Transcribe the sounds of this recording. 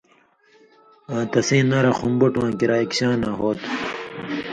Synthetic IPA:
ãːt̪ɐsẽːnːɐɾɐxumbuʈwãːkiɾaːikɕaːnaɦoːt̪

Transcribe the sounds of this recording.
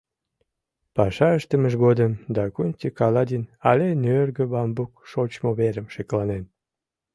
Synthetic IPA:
pɑʃɑəʃt̪əməʒɣod̪əmd̪ɑkunʲt͡ɕəkɑlɑd̪ʲinɑlʲenørɣəβɑmbuk̚ʃot͡ɕmoβeɾəmʃeklɑnen

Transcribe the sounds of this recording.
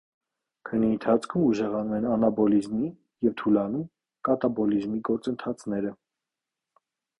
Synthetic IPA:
kʰənːiənt̪ʰɑt͡sʰkʰumuʒɛʁɑnumɛnɑnɑbɔlizmi | jɛvt̪ʰulɑnum | kɑt̪ɑbɔlizmiɡɔɾt͡sənt̪ʰɑt͡sʰnɛɾə

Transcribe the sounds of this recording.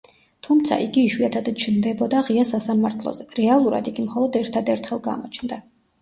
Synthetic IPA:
t̪ʰumt̪sʰa̰ʔiɡiːʃwiat̪ʰad̪t͡ʃʰnd̪ɛbɔd̪aʁiasasamaɾt̪ʰlˠɔ̰zɛɾɛalˠuɾa̰d̪iɡimχɔlˠɔd̪ɛɾt̪ʰad̪ɛɾt̪ʰχɛlˠɡa̰mɔt͡ʃʰnd̪a

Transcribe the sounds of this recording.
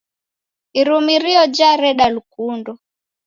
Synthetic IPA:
iɾumiɾiɔd͡ʒaɾɛɗalukundɔ

